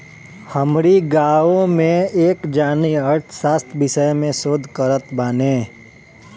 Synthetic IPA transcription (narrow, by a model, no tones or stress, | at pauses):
həmɾiɡaːõmẽeːkd͡ʒaːniəɾʈʰsaːst̪ʰbɪʃəjmẽsoːd̪ʱkəɾət̪baːneː